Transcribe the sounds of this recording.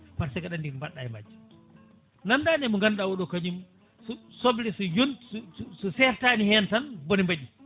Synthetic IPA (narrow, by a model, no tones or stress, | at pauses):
paɾsɛɡaɗandiɾmbaɗajma̰d͡ʒːu | nandaːnɛmɔŋɡanɗawɔɗɔkaɲum | susoblɛsujonsususɛɾtaːnihɛntanbonimbaɗi